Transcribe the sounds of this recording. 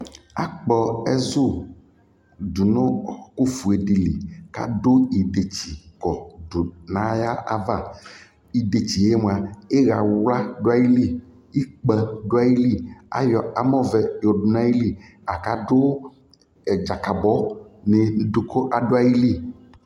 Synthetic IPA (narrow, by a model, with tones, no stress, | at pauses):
a̰˨k͡pɔ˨e˦zo˦ | du˨nõ˦˨ku˦fu˨e˨ɖi˨li˨ka̰˦do˦i˨ɖe˨t͡ɕi˨kɔ˨ɖo˨nã˦ja˦ʔa̰˦va˦ | i˨de˨t͡ɕi˨e˦m˨a˨e˦ɣa˨wla˦ɖo˦a˦ji˦li˦ | i˦k͡pɛ˨ɖo˦a˦ji˦li˦a̰˨jɔ˨a˨mɔ̃˦vɛ˨jɔ˨ɖu˨nã˦ji˦li˦ | a˨ka˦do˦˨ | d͡ʒa˨ka˨bɔ˦ne˨˦do˨kʰo˦ʔa˨ɖo˦a˦ji˦li˦